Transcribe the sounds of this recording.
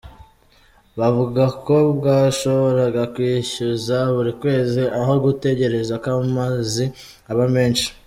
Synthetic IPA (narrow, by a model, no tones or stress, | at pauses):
βavuɡako̞bɡaːʃo̞βo̞ɾaɡakwiːʃuzaβuɾikwe̞ːziʔaɦo̞ɡute̞ɟe̞ɾe̞zakamazi | aβame̞ːnʃi̥